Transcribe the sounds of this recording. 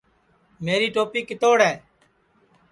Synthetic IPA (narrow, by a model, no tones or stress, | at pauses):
meːɾiːʈoːpiːkɪt̪oːɽɦɛː